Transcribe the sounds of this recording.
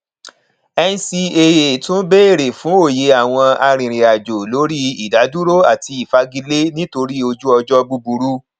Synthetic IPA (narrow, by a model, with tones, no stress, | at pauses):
ɛ˧n̩˧si˧e˧je˨tũ˦n̩˦be˦e˦˨ɾe˨fũ˨˦o˦˨je˧˦a˨w̃ɔ̃˧a˧ɾ̃ĩ˨ɾ̃i˨a˨d͡ʒo˨lo˨˦ɾi˦i˨da˨˦du˦ɾo˦a˦˨ti˧i˨fa˧˦ɡi˧le˦nĩ˦to˧ɾi˦o˧d͡ʒu˦ɔ˧d͡ʒɔ˦bu˧bu˧ɾu˦